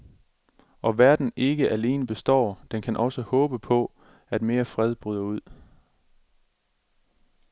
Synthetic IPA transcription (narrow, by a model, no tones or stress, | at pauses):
ʔɒ̽ʋæɐd̥n̩e̝ɡ̥əʔæle̝ːnəb̥e̝sd̥ɒ̰ːd̥enkʰænʔɒ̽səhɔ̽ːb̥əpʰɒ̽ | æd̥me̝ːɐfʁɛð̞ˠb̥ʁyːðˠɐuð̰ˠ